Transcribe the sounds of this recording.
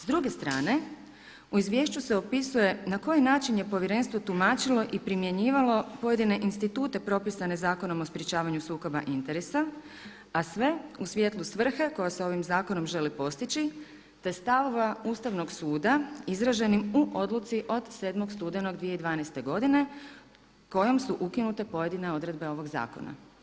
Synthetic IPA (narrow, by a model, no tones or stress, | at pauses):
zd̪ɾuɡe̞st̪ɾaːne̞ | uizʋje̞ːʃt͡ɕuse̞o̞pisuje̞nako̞jnaːt͡ʃinje̞po̞ʋjeɾe̞nst̪ʋo̞t̪umaːt͡ʃilo̞ʔipɾimje̞ɲiːʋalo̞po̞je̞d̪ine̞ʔinst̪it̪uːt̪e̞pɾo̞pisane̞zaːko̞no̞mo̞spɾjet͡ʃaːʋaɲusuːko̞ba̰ʔint̪e̞ɾesa | asʋe̞usʋjet̪lˠusʋr̩xe̞ko̞jaseo̞ʋimzaːko̞no̞mʒe̞lipo̞st̪it͡ʃi | t̪e̞st̪aʋoʋauːst̪aʋno̞ɡsuːd̪aizɾaʒe̞nimuʔo̞d̪lˠut̪siʔo̞d̪se̞ːd̪mo̞ɡst̪uːd̪eno̞ɡd̪ʋije̞id̪ʋaːnɛjst̪e̞ɡo̞d̪ine̞ | ko̞jo̞msuʔukinut̪e̞po̞je̞d̪ine̞o̞d̪ɾe̞d̪be̞o̞ʋo̞ɡza̰ːko̞̰na̰